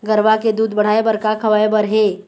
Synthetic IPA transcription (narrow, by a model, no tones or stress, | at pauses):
ɡəɾʋaked̪uːd̪bəɽ̤ajebəɾkakʰəʋajbəɾɦe